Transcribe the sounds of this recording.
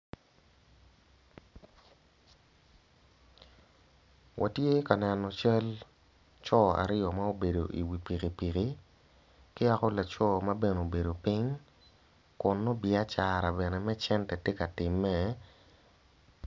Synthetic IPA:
wʔa̰˨tje˦ka˨nɛ˨nɔ˨t͡ʃa˦l | t͡ʃɔ˦a̰˨ɾɪ˦ɔ˨ma˦o˦be˨do˨ʔi˨wi˨pi˨ki˨pi˨ki˨ | kɪ˦a˦kɔ˦la˨t͡ʃɔ˦ma˦be˦no˨be˨do˨pi˦ŋ | kʊ˨nːɔ˦bɪ˨a˦t͡ʃa˨ɾa˨bɛ˨nɛ˨mɛ˦t͡ʃɛ˦ntɛ˨te˦ka˨tɪ˨mːɛ˨

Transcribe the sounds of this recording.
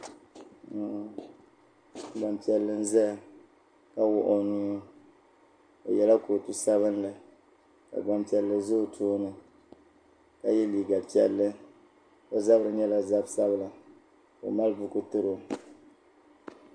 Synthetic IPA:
ba˨mpi˨ɛ˨lːɨ˦n̩˦zɛ˦˨ | ka˦wʊ˦ʔo˦ni˦ | o̰˨jɛ˨la˦koː˨tu˦sa˦βɨ˦nlɨ˨ | ka̰˨ɡ͡ba˨mpi˨ɛ˨lːɨ˨zo˦˨tʰoː˦nɨ˨ | ka˦jɛ˦liː˨ɡa˨pi˨˦ɛ̰˦lːɨ˦ | o˦za˦bɨ˦ɾɨ˨ɲɛ˦la˨za˦bsa˦bɨ˦la˨ | o̰˨ma˦lbʊ˦ku˦tɨ˦ɾo˦

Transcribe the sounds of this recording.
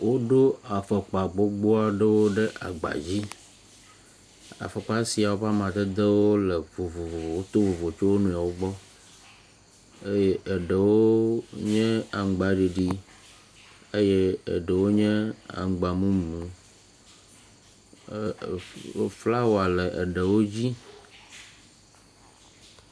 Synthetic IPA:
wo˦ɖo˦a˨fə˨k͡pa˨ɡ͡bo˦ɡ͡bo˦a˦ɖə˦wo˦ɖe˦ʔa̰˨ɡ͡ba̰˨d͡ʑi˦ | a̰˨fə˨k͡pa˦si˨a˨wo˦ɸa˦mã˨t̪e˦d̪e˦wo˦le˨vo˨vo˨vo˨vo˨wo˦t̪o˦vo˨vo˨t͡ʃo˦wo˦nũ˦ja˨wo˦ɡ͡bɔ˦ | e˦jɛ˦e˨ɖə˨wo˦ɲɛ̃˦a˨ŋ˨ɡ͡ba˦ɖi˨ɖi˦ | e˦jɛ˦ə̰˨ɖə˨wo˦ɲɛ̃˦a̰˨ŋ˨ɡ͡ba˨mũ˦m˨mũ˨˦ | fla˦wo˨a˨lə˨ʔə̰˨ɖə˨wo˦d͡ʑi˦

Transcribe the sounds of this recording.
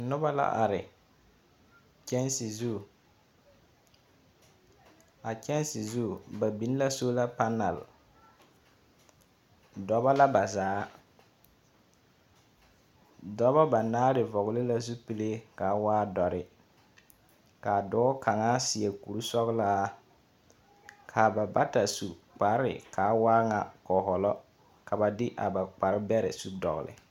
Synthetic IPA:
nʊ˦ba˦la̰˦ʔa̰˨ɾɪ˨ | t͡ʃɛ˦nsi˨zu˦˨ | a˨t͡ʃɛ˦n˦sɪ˨zu˦˨ba˨bi˨n˦la˦so˦la˦pa˦na˨l | dɔ˨ba˦la˦ba˨zaː˨˦ | dɔ˦bɔ˦ba˨naː˦ɾɪ˨vɔ˨ɣlɪ˦la˦zu˦pi˨le˦ka˨˦waː˦dɔ˨ɾɪ˨ | ka˨dɔː˦kʰa˨ŋaː˦sɪ˨ɛ˨ku˨ɾu˦sɔ˦ɣlaː˦ | kʰa˨ba˨ba˦ta˨su˨k͡pa˨˦ɾɪ̰˨kʰaː˨˦waː˦ŋa˨kɔ˨ɦɔ˨lɔ˦ | ka˨ba˨dɪ˦ʔa˨ba˨k͡pa˨ɾɪ˦bɛ˦ɾɪ̰˨su˦dɔ̰˨ɣ̰lɪ̰˨

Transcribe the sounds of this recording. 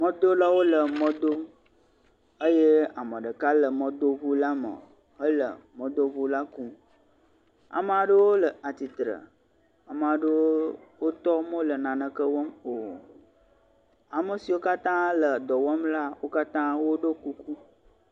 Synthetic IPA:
mə̃˦d̪o˦la˦wo˦lə˨mə̃˦d̪o˦ | ə˦je˦a˨mə̃˨ɖə˨ka˦lə˨mə̃˨d̪o˦βu˦la˦mə̰̃˨ | ɦə˦lə̰˨mə̃˦d̪o˦βu˦la˦ku˦ | a̰˨mə˨a˨ɖə˦wo˦lə˨a˨t̪i˨t̪ɾə̰˨ | a˨mə˨a˨ɖə˦wwo˦t̪ɔ˦mə̃˦lə˨nã˨nə̃˨kə˦wɔ˦mo˨ | a˨mə˨si˨wo˦ka˦t̪ã˦lə˨d̪ɔ˨wɔ˦mla˦wo˦ka˦t̪ã˦wo˦ɖə˦ku˦ku˦

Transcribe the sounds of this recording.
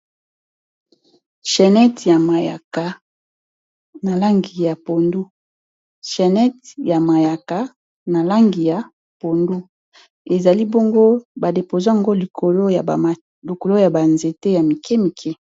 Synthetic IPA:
ʃɛ˨nɛ˦tja˨ma˨ja̰˨ka˨ | na˨la˦ŋɡi˨ja˨po˨ndu˦ | ʃɛ˨nɛ˦tja˨ma˨ja˨ka˨ | na˨la˦ŋɡi˨ja˨ | po˨ndu˦ | e˨za˨li˦bo˦ŋɡo˦ba˨de˨po˨za˦a˨ŋɡo˦li˨ko˨lo˦˨ | lo˨ko˨lo˦ja˨ba˨nze˨te˦ja˨mi˨kʰɛ˦mi˨kʰɛ˦

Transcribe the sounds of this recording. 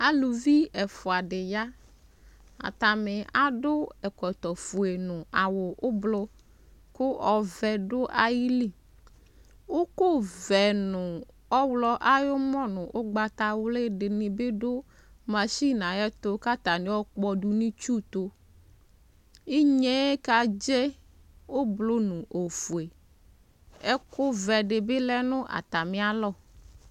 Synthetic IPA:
a˦lu˨vi˦ɛ˨fʊ˨a˨ɖɪ˨ja˦ | a̰˨t̪a˨mɪ˨a˦dʊ˦ɛ˨kɔ˨t̪ɔ˨fu˨e˨nʊ̃˨a˨wʊ˨ʔʊ˦blʊ˦ | kʊ˦ʔɔ˨vɛ˨ɖʊ˦ʔa˨ji˦li˦ | wo˦ko˦vɛ˨nʊ̃˨ | ɔ˦wlɔ˦ʔa˦jʊ˦mɔ̃˦nʊ̃˨ʔʊ˦ɡ͡ba˨t̪a˨wle˦dɪ˨nɪ̃˨be˦dʊ˦ | mã˨ʃi˦nã˨jɛ˦t̪o˦ka˦t̪a˨nĩ˨˦ɔ˦k͡pk͡pɔ˨ɖu˨nĩ˦t͡ʃu˦t̪o˦ | i˦ɲe˦ka˨d͡ʒe˦ | wo˦blo˦nʊ̃˨ʔo˨fu˨e˨ | ɛ˦ko˦vɛ˨ɖɪ˨bɪ˦lɛ˦nʊ̃˦ʔa̰˨t̪a˨mĩ˦a˦lɔ˦˨

